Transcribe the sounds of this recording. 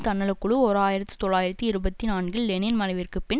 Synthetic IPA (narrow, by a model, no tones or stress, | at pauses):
t̪ɐnːɐɭɐkːʊɭɯɔɾaːjɪɾɐt̪ːɯ̥t̪ɔɭːaːjɪɾɐt̪ːɯɪɾɯbɐt̪ːinaːnɡɐllɛnenmɐnɐɪʋɪrkɯpːɪn